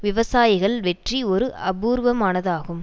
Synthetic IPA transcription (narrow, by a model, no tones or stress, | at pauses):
ʋɪʋɐsaːjɪɣɐɭʋɛʈriɔɾɯʔɐbuːɾʋɐmaːnɐðaːɣɯm